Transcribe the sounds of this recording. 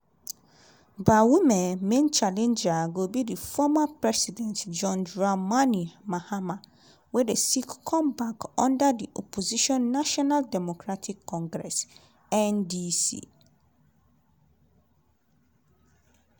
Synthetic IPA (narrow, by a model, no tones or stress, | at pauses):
bawimɛ̃nmẽnt͡ʃalɛ̃nd͡ʒaɡobidifɔmapɹɛsidɛ̃ntd͡ʒɔ̃nd͡ʒɹamãnimahama | wɛdesikkʰɔ̃mbakɔ̃ndadiʔɔpʰoziʃɔ̃nːaʃɔnaldɛmokʰɹatʰikʰːɔ̃ŋɡɹɛs | ɛ̃ndisḭ